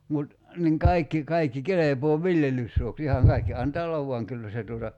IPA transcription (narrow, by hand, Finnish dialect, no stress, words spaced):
mut niːŋ kɑikːi kɑikːi kelepoː ʋiljelysːuoks ihɑŋ kɑikːi ɑntɑː olːɑʋ ʋuɑŋ kylːæ se tuotɑ